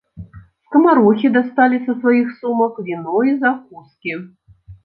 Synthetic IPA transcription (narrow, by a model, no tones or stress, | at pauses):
skɐmaɾuxʲid̪ast̪alʲisɐsvajixsumɐkvʲinɔizakuskʲi